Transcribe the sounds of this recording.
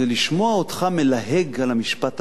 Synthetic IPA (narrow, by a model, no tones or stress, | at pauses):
eliʃmo̞aotχame̞laɦeɡalamiʃpat